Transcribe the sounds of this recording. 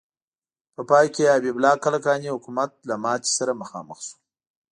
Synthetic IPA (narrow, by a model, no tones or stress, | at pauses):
pəpɑjkeabiblɑkalakɑnihʊkumat̪̚lamɑt͡ʃ̪i̥saɾaməxɑ̰mə̰xsu̥